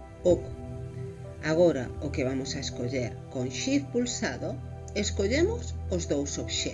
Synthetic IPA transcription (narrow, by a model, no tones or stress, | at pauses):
ok | aɣoɾa̰okeβamʊsaeskoʎeɾkoŋʃiɾpulsaðo | eskoʎemʊsozðowsoβʃɛ